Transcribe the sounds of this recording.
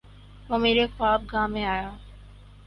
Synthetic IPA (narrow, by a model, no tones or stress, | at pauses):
ɦõːmeːɾexaːb̚ɡaːmẽaːjaː